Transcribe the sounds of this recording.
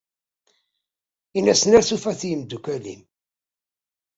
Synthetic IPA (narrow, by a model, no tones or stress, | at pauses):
inæsənæɾθufæθjəmd̪ukʷælḭm